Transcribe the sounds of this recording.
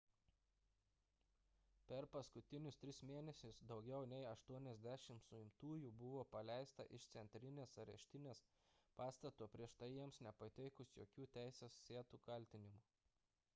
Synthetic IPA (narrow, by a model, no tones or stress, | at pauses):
pʲɛɾpɐskʊt̪ʲɪnʲʊst̪ʲɾʲɪsmʲeːnʲɛsʲɪsd̪ɒʊɡʲɛʊnʲɛɪɐʃt̪uɔnʲɛzʲd̪ʲæʃʲɪmt̪sʊɪmt̪uːjuːbʊʋoːpɐlʲæˑɪst̪ɐ̰ʔɪʃt̪sʲɛnʲt̪ʲɾʲɪnʲeːsɐɾʲɛ̰ʃʲt̪ʲɪnʲeːs | pɑːst̪ɐt̪uːpʲɾʲiɛʃt̪ɐɪjiɛmsnʲɛpɐt̪ʲɛɪkʊsjo̰ːkʲuːt̪ʲæˑɪsʲeːsːʲeːt̪uːkɐlʲt̪ʲɪnʲɪmʊː